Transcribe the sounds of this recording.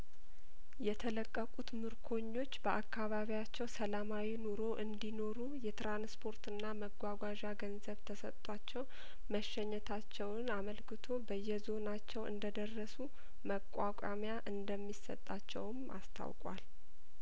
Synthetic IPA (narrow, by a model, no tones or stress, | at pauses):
jɛt̪ʰələkʼːəkʼut̪mɨɾkʰo̞ɲːo̞t͡ʃːbəʔakʰːaβaβiat͡ʃːɛwsəlamawinuɾo̞ʔɨnd̪ino̞ɾujɛt̪ɾanspʰo̞ɾt̪ɨnːaməɡʷaɡʷaʒaɡənzəβt̪ʰəsət̪ːʼat͡ʃːɛw | məʃːɛɲːɛt̪ʰat͡ʃːɛwnaməlkʰɨt̪ʰo̞bəjːɛzo̞nat͡ʃːɛwɨ̰nd̪əd̪ərːəsu | məkʼwakʷʼa̰mjaʔɨnd̪əmːisə̰t̪ʼːat͡ʃːɛ̰wmʔa̰st̪ʰa̰wkʼwa̰l